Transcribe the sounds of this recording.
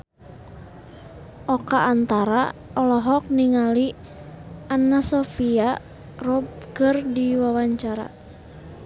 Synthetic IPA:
ʔɔkaʔːnt̪aɾa̰ɔlɔɦɔk̚niŋali | anasɔfia | rɔb̚kərdiwawaɲt͡ʃaɾa̰

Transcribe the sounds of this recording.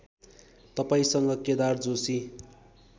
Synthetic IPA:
t̪ʌpaĩsʌŋɡʌked̪ard͡zosi

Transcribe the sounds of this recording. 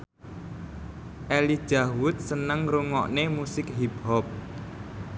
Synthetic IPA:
ʔelid̥ʒ̥awʊt̪̚sənəŋɾuŋɔʔnemusɪkɦipɦɔp̚

